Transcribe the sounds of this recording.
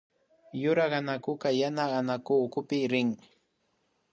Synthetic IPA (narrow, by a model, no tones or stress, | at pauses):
jʊɾaɢɑnakʊkajanaɢanakʊkʊpɪɾɪŋ